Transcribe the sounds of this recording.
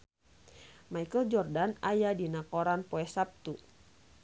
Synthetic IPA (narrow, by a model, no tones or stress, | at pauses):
majkəld͡ʒɔrdanajadinakoɾanpɔɛsap̚t̪u